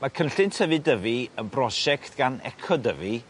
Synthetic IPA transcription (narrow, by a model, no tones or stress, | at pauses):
makʰənɬɪntʰəvɨdəviənbrɔʃɛktʰɡ̥anɛ̰kʰɔdəvi